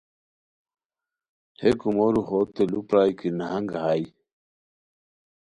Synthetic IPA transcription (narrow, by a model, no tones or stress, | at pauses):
hekumoɾuxot̪elupɾajkinahaŋɡaɦaj